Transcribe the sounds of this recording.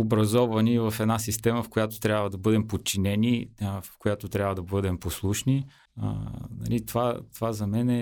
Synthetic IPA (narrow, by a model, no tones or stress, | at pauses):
obɾɐzɔvɐnivɐfɛd̪nasist̪ɛməfkojat̪o̥t̪ɾʲabvəd̪ɐbɤd̪ɛmpot̪̚t͡ʃːinɛnifkojat̪ot̪ɾʲabvəd̪ɐbɤd̪ɛmposlˠuʃni | ə̰nɐ̰lit̪ovat̪ovazɐmɛnɛ